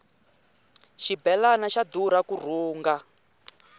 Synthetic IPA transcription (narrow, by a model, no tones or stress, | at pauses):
ʃibɛlanaʃad̪uɾakur̤uːŋɡa